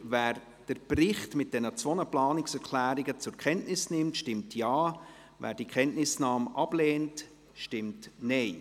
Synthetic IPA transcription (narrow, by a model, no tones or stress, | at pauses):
væːɾ | d̥əɾprɪχtmɪt̚d̥ɛnət͡sʋɔnəplɑːnɪksɛɾkʰlæːɾɪɡət͡sʊɾkʰχɛntnɪsnɪmtʃtɪmtʰjɑː | væ̰ːɾd̥ikχɛntnɪsnɑːmɑb̥lɛːnt | ʃtɪmtnɛɪ